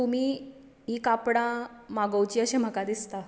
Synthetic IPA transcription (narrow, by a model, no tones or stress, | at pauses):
t̪um̤iː | ikapɽãmaɡəwt͡ɕiːəɕẽm̤əkad̪ist̪a